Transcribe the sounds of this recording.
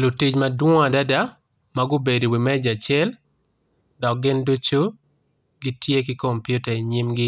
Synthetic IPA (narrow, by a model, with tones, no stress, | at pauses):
lu˨ti˦d͡ʒma˨dwɔ˦a˨da˦da˦ | maɡʊ˦be˨do˨wi˨mɛ˦d͡ʒa˨t͡ʃɪɛ˦l | dɔ˨k̚ɡɪ˦ndu˦t͡ʃo˦ | ɡi˦tʰje˦kɪ˦ko˨mpju˦ta˨i˨ɲi˦mɡɪ˦